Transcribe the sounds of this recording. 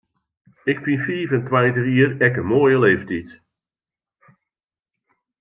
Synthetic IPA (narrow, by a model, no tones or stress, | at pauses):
ɪkfinfiːvɛntʋajtəriːrɛkənmoːjəleːftit